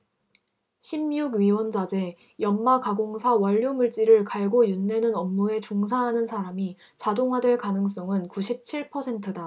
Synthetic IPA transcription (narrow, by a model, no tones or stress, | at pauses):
ɕʰimjuɡɥiwʌnd͡ʑad͡ʑe̞ | jʌmmakaɡoŋsʰawʌʎːjomuɭt͡ɕ͈iɾɯɭkaɭɡojunːe̞nɯnʌmːue̞t͡ɕoŋsʰaɦanɯnsʰaɾami | t͡ɕadoŋɦwadwe̞ɭkanɯŋs͈ʌŋɯnkuɕʰip̚t͡ɕʰiɭpʰʌsʰe̞ntʰɯda